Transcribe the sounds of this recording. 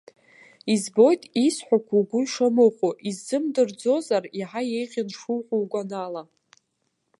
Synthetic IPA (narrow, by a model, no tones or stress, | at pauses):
izbo̞jtʼisħʷᶣakʷʰuɡʷʊiʂamɨχʷuʔizːɨmdɨrd͡zo̞zariħaje̞jʁʲɪnʂulqʷuwɡʷʼanala